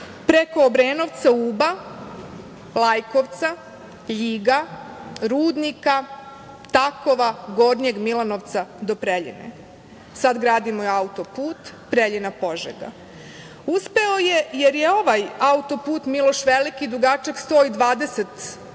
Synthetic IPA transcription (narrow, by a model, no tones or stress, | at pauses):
pɾeko̞ːbɾeːno̞ʋt̪sauːba | lˠajko̞ʋt̪sa | ʎiːɡaɾuːd̪nika | t̪ako̞ʋaɡo̞ːɾɲeɡmilˠanoʋt̪sad̪o̞pɾeʎḭnḛ | sad̪ɡɾaːd̪imoeaut̪opuːt̪ | pɾeʎinapo̞ʒḛɡa̰ | uspe̞o̞jejeɾjeo̞ʋajaut̪o̞puːt̪milo̞ʃʋelikid̪ɾuɡat͡ʃekst̪o̞ːid̪ʋaːd̪e̞set̪